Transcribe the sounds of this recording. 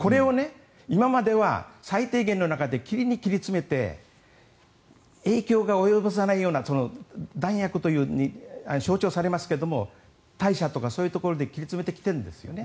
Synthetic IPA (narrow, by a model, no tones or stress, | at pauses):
ko̞ɾe̞o̞ne̞ | imamad̪e̞βa̰sait̪e̞ːɡẽ̞no̞nakad̪e̞kʲiɾʲiɲ̟ikʲiɾʲit͡sɨme̞t̪e̞̰ | e̞ːkʲo̞ːɡao̞jo̞bɯs̬anaijo̞ːnaso̞no̞d̪ãɰ̃jakɯ̟t̪o̞jɯ̟ːɲianoɕoːt͡ɕo̞ːsaɾe̞masɨ̥ke̞d̪o̞mo̞ | t̪aiɕat̪o̞kaso̞ːjɯ̟t̪o̞ko̞ɾo̞d̪e̞kʲiɾʲit͡sɨme̞t̪e̞kʲi̥t̪e̞ɾɯ̟nd̪esɨjo̞̰ne